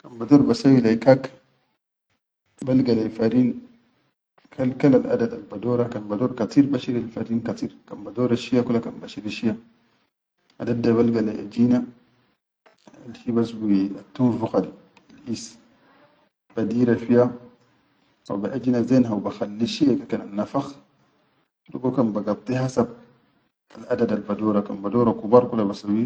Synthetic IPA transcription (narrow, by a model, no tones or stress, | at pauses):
kanbadoːɾbasawilajkak | balɡalajfaɾin | kʰalkalalʔa̰dada̰lbadoɾakanbadoɾkat̪iːɾbaʃiɾalfaɾinkatiːɾkanbadoɾaʃijakulakanbaʃiɾiʃija | ʔa̰dadːaβalɡala̰ʔa̰d͡ʒina | a̰lhibasbuatːunfuxadi | alʔis | b̥adiɾafija | ha̰baʔad͡ʒinazenɦawbaxalːiʃiaɡakananːafax | lṵɡokanbaɡab̚t̪ihasab̚ | alʔadadalbadoɾakambadoɾakubaɾkulabasawi